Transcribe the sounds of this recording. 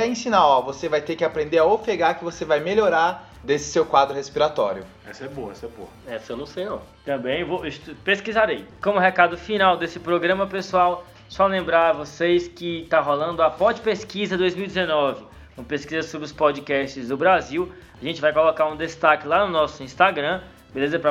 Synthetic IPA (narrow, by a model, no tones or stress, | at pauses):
ɛĩsĩnaɔvosevajt̪eɾkɪapɾẽnd̪eaofeɡaɾkɪvosevajmeloɾaɾ | d̪esɪ̥sewkwad̪ɾʊhespiɾat̪ɔ̰ɾjʊ | ɛ̰sɐɛboɐɛsɐɛbo̰ɐɛsenɐ̃sejɔ | t̪ɐ̃bẽj̃voist̪peskizaɾejkõmʊɦekad̪ʊfinawd̪esɪpɾoɡɾɐ̃mɐpesuaw | sɔlẽmbɾaɾvoseskɪt̪aɦolɐ̃nd̪ʊɐpɔd͡ʒɪpeskizɐd̪ojzmiwidd͡ʒ̪ɛzenɔvɪ | ũmɐpeskizɐsobɾɪʊspɔd͡ʒikɛst͡ʃɪzd̪ʊbɾaziw | aʒẽnt͡ʃɪvajkolokaɾũd̪est̪akɪlanʊnɔsʊĩst̪aɡɾɐ̃ | belezɐpɾɐ